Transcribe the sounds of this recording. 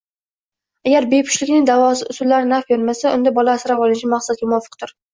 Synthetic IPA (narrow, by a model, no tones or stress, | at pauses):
aɡʲaɾbepʰʊ̥ʃlɪkʲnɪŋd̪avɒsɪʊsʊlːaɾɪnafjoɾmasaʔʊnd̪abɒlaːsɪɾapɒlˠɪnɪʃamaqsad̪̚ɡʲamʊɒfːɨ̥qt̪ʰʊɾ